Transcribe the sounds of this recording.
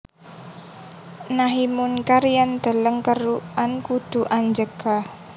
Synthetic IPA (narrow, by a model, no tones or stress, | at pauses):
naɦimunkaɾijand̪̥ə̤ləŋkəɾuʔankud̪̥ṳʔaɲd͡ʒəɡ̥a